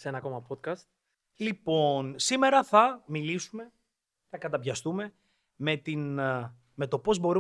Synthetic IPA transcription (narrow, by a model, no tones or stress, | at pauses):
senɐko̞mɐpot̪̚kɐst̪̚ | lipo̞nsime̞ɾɐθɐmilisume̞ | θɐkɐt̪ɐpʝɐst̪ume̞ | me̞t̪in | me̞t̪o̞po̞zbo̞ɾu